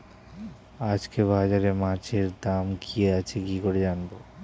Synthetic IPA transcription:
ad͡ʑkeβad͡ʑaɾemat͡ɕʰeɾd̪amkʰieat͡ɕʰekikoɾed͡ʑanbo

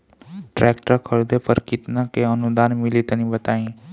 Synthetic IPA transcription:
ʈɾɛːk̚ʈəkʰəɾd̪epəɾkɪt̪nakeənʊd̪aːnmɪlit̪ənĩbət̪aːĩː

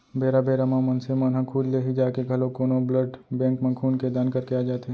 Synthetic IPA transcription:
beːɾabeːɾamãmɐnsemanɦɐ̃kʰuːd͡ʒleɦid͡ʒaːkeɡʱɐlokoːnobləɖbɛ̃ːkmẽkʰuːnked̪aːnkɐɾkeaːd͡ʒaːt̪e

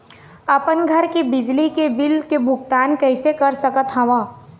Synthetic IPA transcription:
ɐpənɡʱəɾkebɪd͡ʒlikebɪlkebʱʊɡt̪aːnkɛɪsekəɾsəkət̪ɦɐʋãː

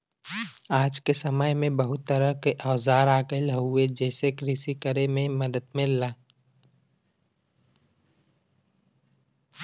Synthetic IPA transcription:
aːd͡ʒkesəməjmẽbəɦʊt̪ːəɾəkeʔəwzaːɾaːɡelɦʊed͡ʒɛːsekɾɪsikəɾemẽməd̪əd̪melːaː

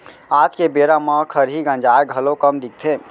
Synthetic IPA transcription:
aːt̪kebeɾamãkʰəɾɦiɡə̃nd͡ʒaːeɡʱəlokəmd̪ik̚t̪ʰe

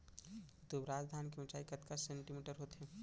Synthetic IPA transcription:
d̪ubɾaːd͡ʒd̪ʱaːnk̬eʊt͡ʃaːikɐt̪kassẽɳʈimeːʈəɾɦoːt̪ɦɛ̃

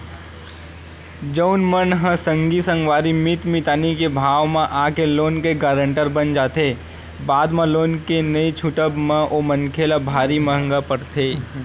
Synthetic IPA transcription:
d͡ʒəʊnmənɦə̃sə̃ŋɡisə̃ŋɡʋaːɾimɪt̪mit̪aːnikebʱaːʋmãʔaːkeloːnkeɡaːɾə̃ɳʈəɾbənd͡ʒaːt̪e | baːd̪mãloːnkenəit͡ʃʰuʈəbmãʔoːmənkʰeːlabʱaːɾiməɦə̃ŋɡapəɽt̪ʰeː

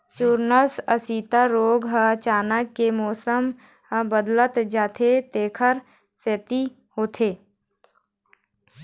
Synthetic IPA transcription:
t͡ʃuːɾnəsəsiːt̪aɾoːɡɦəət͡ʃaːnəkːemɔːsəm | ɦə̃bəd̪lət̪d͡ʒaːt̪ʰet̪eːkʰəɾ | set̪i | hoːt̪ʰeː

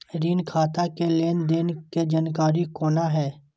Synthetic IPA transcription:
ɾiːnkʰaːt̪akeleːnd̪ɪnked͡ʒankaːɾikoːnaɦɛː

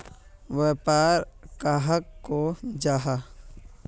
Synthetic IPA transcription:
ʋepaːɾkaːɦəkːod͡ʒaːɦa

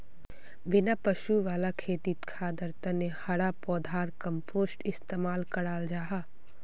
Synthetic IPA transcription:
bɪnapɐʃuʋaːlakʰeːt̪it̪kʰaːd̪ɐɾt̪ənehɐɽapɔːd̪ʱaːɾkɐ̃mpʰoːsʈɪst̪eːmaːlkɐɽaːld͡ʒaːɦaː

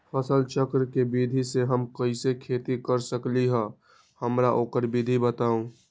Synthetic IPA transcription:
pʰəsəlt͡ʃəkɾkebiːd̪ʱiseɦəmkɐisekʰeːt̪ikəɾsəkliɦɛ̃ | həmɾaʔoːkəɾbʱiːd̪ʱibət̪aːũː

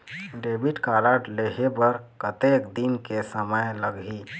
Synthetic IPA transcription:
ɖebiʈkaɾaʈleɦebəɾ | kət̪ekd̪inkesəməjləɡɦi

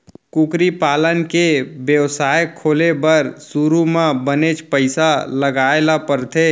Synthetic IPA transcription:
kukɾipaːlənkebjəwsaːjkʰːoːlebəɾsuɾumãbənet͡ʃpəɪsaləɡaːelapəɾt̪ʰe

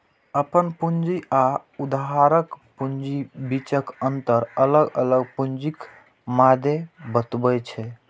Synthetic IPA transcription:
əpənpund͡ʒiaud̪aɦaɾəkpund͡ʒibit͡ʃəkənt̪əɾələɡələɡpund͡ʒik | mad̪ʱebət̪bət͡ʃʰɛ

